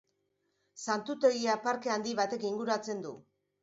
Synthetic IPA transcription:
sant̪ut̪e̞ɣiapaɾkeand̪iβat̪e̞kiŋɡuɾat͡se̞nd̪u

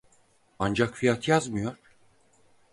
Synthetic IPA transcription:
and͡ʒakfijat̪ʰjazmɯjoɾ̥

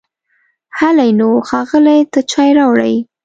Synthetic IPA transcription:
halajnoxɑɣəlajt̪at͡ʃɑjɾɑwɽa̰j

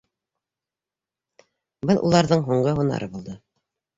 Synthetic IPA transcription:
bɤnˠʔṵlˠɑɾðɤɴɦuɴɢɤɦunɑ̰ɾʔɤbulˠd̪ɤ

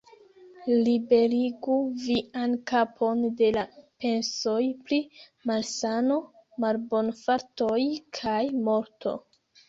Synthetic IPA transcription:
libe̞ɾiɡuviʔankapʰo̞nde̞lape̞nso̞jpli | malsano̞malbo̞nfaɾtojkʰajmo̞ɾtʰo̰

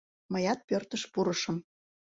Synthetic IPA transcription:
məjɑt̪̚pørt̪əʃpuɾəʃə̆m

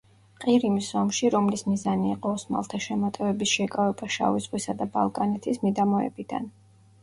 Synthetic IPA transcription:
qʼiɾimisɔmʃiɾɔmlismizaniːqʼɔɔsma̰lˠt̪ʰaʃɛmɔt̪ʼɛvɛbisʃɛkʼavɛbaʃa̰vizʁwisad̪aba̰lˠkʼanɛt̪ʰismid̪amɔɛ̰bid̪a̰n

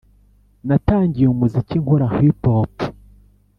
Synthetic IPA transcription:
nataːɲɟijeumuziciŋhoɾahwipop

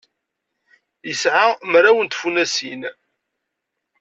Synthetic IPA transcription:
jəsʕamɾawənt̪funæsin

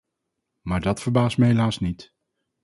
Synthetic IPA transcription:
maːɹdɑtfəɹbaːstməɦelaːsnit

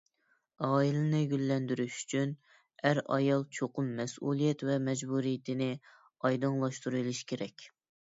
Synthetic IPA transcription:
ɑːilɪnɪɡʲylːɛnd̪yɾyʃy̥t͡ʃʰyn | æɾɑ̰jɑlˠt͡ʃʰoqʰʊmːɛsulˠijɛt̪vɛmɛd͡ʒbuɾijt̪ʰɪnɪ | ɑjd̪ɨŋlˠɑʃt̪uɾɨlˠɨʃkʲʰeɾɛkʲ

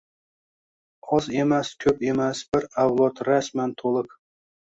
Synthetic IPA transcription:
ɒzemæskʲʰɵpemæsb̥ɪɾavlˠot̪ɾæsmænt̪ʰolˠək

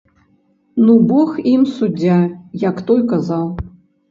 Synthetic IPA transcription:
nubɔximsud͡zʲːajɐkt̪ɔjkazaw

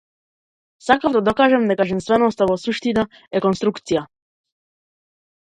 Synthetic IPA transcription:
sakavd̪ad̪ɔkaːʒɛmd̪akaʒɛnst̪vɛnɔst̪avɔsuʃt̪ina | ɛkɔnst̪ɾukt̪sija

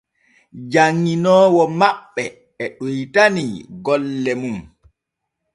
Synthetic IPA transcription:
d͡ʒaŋːinɔːwɔmaɓːɛ | ɛɗujtaniɡɔlːɛmum

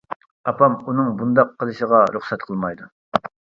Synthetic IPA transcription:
ɑpʰɑmunɨŋbund̪ɑqʰːəlˠɨʃəʁɑɾʊχsɛt̪qʰəlˠmɑjd̪u

